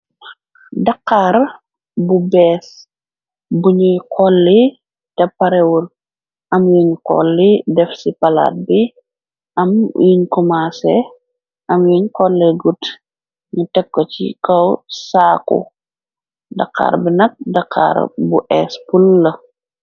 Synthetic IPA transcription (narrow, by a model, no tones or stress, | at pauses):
dɐqːaɾ | bubɛːs | buɲujkʰɔlːi | tɛpːɐɾɛwul | ʔɐmjiɲkɔ̰lːidɛfsipɐla̰ːt̚bi | ɐmjiɲkɔmasɛ | ʔɐmjuɲkɔlːɛɡut | ɲutɛkːɔt͡ʃḭkɐwsaːkṵ | dɐ̰kːa̰ːɾbinɐk̚dɐqʰːa̰ɾbuʔɛspulːə